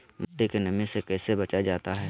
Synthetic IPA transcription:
moːʈekenɐmẽsekɛːsebɐt͡ʃad͡ʒaːt̪aɦɛː

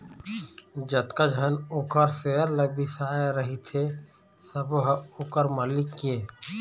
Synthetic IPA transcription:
d͡ʒət̪kad͡ʒʱənʊkəɾseəɾləbisaːeɾəɦit̪ʰe | səbɦʊkəɾməlɪkːeː

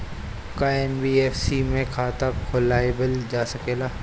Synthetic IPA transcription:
kaɛnbiːeːfsimẽkʰaːt̪akʰːʊlaːibɪld͡ʒaːsɐkeːlaː

